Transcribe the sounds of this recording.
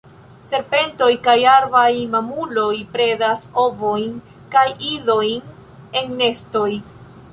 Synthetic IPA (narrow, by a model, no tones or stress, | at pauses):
se̞ɾpe̞nto̞jkajaɾvajmamulo̞jpɾe̞daso̞vo̞jn | kajizo̞jn | e̞ŋne̞sto̞j